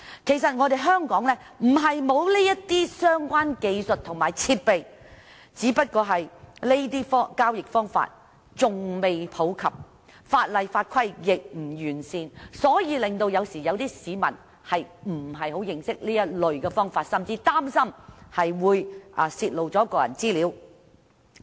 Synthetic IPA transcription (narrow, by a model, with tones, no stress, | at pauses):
kʰe˨˩jsɐ˨t̚ŋɔː˨˧d̪e˨jɦœː˥ŋkɔː˨˥ŋlɛː˥ | m̩˨˩ɦɐ˨jmo˨˧wliː˥jɐ˥t̚t̪iː˥sœː˥ŋkʷaː˥nke˨˧jsɵ˨t̚t̪ʰʊ˨˩ŋmaː˨˩jt͡sʰiː˧t̚pe˨j | t͡siː˨˥pɐ˥t̚kɔː˧ɦɐ˨jle˥t̪iː˥fɔː˥kaː˥wjɪ˨k̚fɔː˥ŋfa̰ː˧˨t̚ | t͡sʊ˨ŋme˨jpʰo˨˥wkʰɐ˨p̚ | faː˧t̚lɐ˨˩jfaː˧t̚kʷʰɐ˥jːɪ˨k̚m̩˨˩jyː˨˩nsiː˨˧nsɔː˨˥jiː˧lɪ˨˩ŋt̪o˧wjɐ˨˧wsiː˨˩jɐ˨˧wt̪iː˥siː˨˧mɐ̰˨˩n | hɐ˨jm̩˨˩ɦɐ˨jho˨˥wjɪ˨˩ŋsɪ˥k̚liː˥jɐ˥t̚lɵ˨ɥkɛː˧fɔː˥ŋfaː˧t̚sɐ˨mt͡siː˧t̪aː˥msɐ˥mhɐ˨jwuː˨˧jʔɐ˨siː˧t̚lo˨wt͡sɔ˨˥kɔː˧jɐ̰˨˩nt͡siː˥liː˨˧˥w